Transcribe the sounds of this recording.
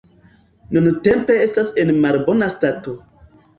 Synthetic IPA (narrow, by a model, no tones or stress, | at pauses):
nunte̞mpe̞e̞stase̞nmalbo̞nastato̞